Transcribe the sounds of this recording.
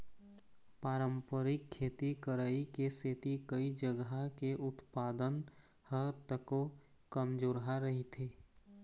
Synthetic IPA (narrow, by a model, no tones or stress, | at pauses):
paːɾə̃mpəɾɪkʰːeːt̪ikəɾaːikeseːt̪ikəid͡ʒəɡakeʔʊt̪paːd̪ən | hət̪əko | kəmd͡ʒoːɾɦaɾəɦit̪ʰeː